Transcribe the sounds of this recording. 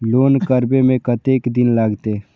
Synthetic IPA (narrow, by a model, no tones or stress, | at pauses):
loːnkəɾbemẽkɐt̪eːkd̪ɪnlaɡt̪e